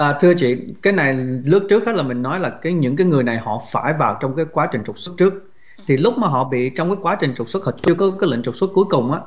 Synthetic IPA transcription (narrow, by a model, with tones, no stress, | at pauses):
ʔaː˨˩t̪ʰɨ˧ət͡ɕḭ˧˨kaː˨˦jna˨˩jlɨ˦˥ək̚t͡ɕɨ˦˥k̚haː˦˥laː˨˩mï˨˩ŋ̟nɔ˨˦jlaː˨˩kaː˨˦jɲɨ̰˧˥ŋkaː˨˦jŋɨ˨˩əjna˨˩jhɔ̰˧˨faː˧˩jvaː˨˩wt͡ɕɔ˧wŋ͡mkaː˨˦jkwaː˨˦t͡ɕï˨˩ŋ̟t͡ɕʊ˨˩t̚sə˦˥t̚t͡ɕɨ˦˥ək̚ | t̪ʰi˨˩lʊ˦˥k͡p̚maː˨˩ɦɔ̰˧˨ɓḭ˧˨t͡ɕɔ˧wkaː˨˦jkwaː˨˦t͡ɕï˨˩ŋ̟t͡ɕʊ˨˩t̚swt̚hʰɔ˧˨˩t͡ɕɨ˧əkɔ˨˦kaː˨˦jlḭ˧˨ŋ̟t͡ɕʊ˨˩k͡p̚swə˦˥t̚ku˨˦jkʊ˨˩ŋ͡mʔaː˨˦